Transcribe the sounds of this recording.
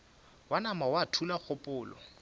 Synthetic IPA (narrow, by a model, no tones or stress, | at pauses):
wanamawatʰulak͡xʊpʼʊːlɔ̰